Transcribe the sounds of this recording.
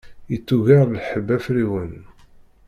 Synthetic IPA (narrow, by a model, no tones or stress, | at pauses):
ət͡sːuʝæɾˤlħəbːæfɾiwən